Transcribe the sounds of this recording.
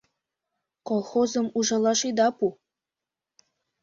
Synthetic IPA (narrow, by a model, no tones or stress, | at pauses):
kolˠxozɤ̆muʒɑlˠɑʃid̪ɑpu